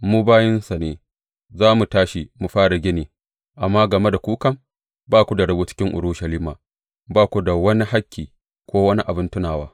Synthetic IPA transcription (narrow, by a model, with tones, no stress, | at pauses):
muː˦baː˦jɪ˦nsa˨neː˨ | zaː˦mu˨taː˦ʃi˨mu˨ɸaː˦ɽa˨ɡʲɪ˦neː˨ | ʔa˨mːa˦ɡɐ˨me˦da˨kʷuː˦kɐ˦m | baː˦kʷu˨da˨ɽɐ˦buː˦t͡ʃɪ̥˦kʲɪ˦ŋʔʊ̰˨ɽʊ˦ʃɐ˨liː˦maː˨ | baː˦kʷu˨da˨wɐ˦ni˦ha˦kʲːiː˨ | kʷoː˦wɐ˦ni˦ʔa˨bɪ˦ntʊ˦naː˨waː˦